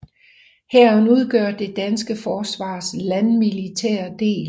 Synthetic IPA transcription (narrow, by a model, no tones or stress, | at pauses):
hæɐ̰nuð̞ˠɡ̥œɐd̥e̝d̥ænsɡ̥əfɒːsʋɑ̰̈ːslænmilit͡sʰæ̰ːɐd̥e̝̰ːl